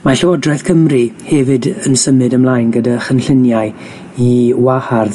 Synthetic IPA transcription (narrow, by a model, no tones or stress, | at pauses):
maɬɔɔdrɛθkʰəmrihɛvɨdənsəmɨdəmlˠajnɡədaχənɬɪnjaɨ | iwaharð